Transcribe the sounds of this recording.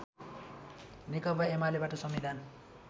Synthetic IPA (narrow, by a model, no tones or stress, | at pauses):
nikʌbaemalebaʈʌsʌmːid̪ʱan